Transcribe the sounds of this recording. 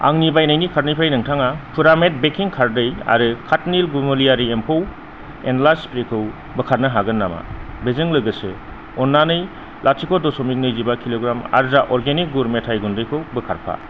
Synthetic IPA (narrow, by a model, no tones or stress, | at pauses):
a̰ŋnibajnajnikʰaɾnɯjpʰɾajnɯŋtʰaŋapʰuɾamet̚bekʰːiŋkʰaɾdɯja̰ɾɯkʰatnilɡumuliaɾiempʰow | enlaspɾikʰɯw | bɯkʰaɾ̚nɯɦaɡɯnːama̰bezɯŋlɯɡɯse | ɔnːanɯj | lʔasʰikʰɔdɔsɔmik̚nɯjzibakʰiloɡɾama̰ɾzaʔɔɾɡenik̚ɡuɾmetʰajɡundɯjkʰɯwbɯkʰaɾpʰa̰